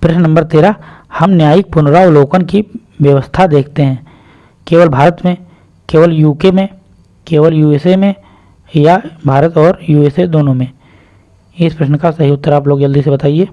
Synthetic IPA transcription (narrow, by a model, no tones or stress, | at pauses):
pɾɐʃnənɐ̃mbəɾt̪eːɾa | hɐmnjaːjɪk̚pʊnɾaoloːkənki | ʋjəʋəst̪ʰad̪eːkʰt̪eɦɛ̃ː | keːʋəlbʱaːɾət̪mẽ | keːʋəljuːkemẽ | keːʋəljuːeːsemẽ | jabʱaːɾət̪ɔːɾjuːeːsed̪oːnõmẽ | ɪspɾɐʃnəkasɐɦiʊt̪ːəɾaːploːɡd͡ʒəld̪isebɐt̪aːieː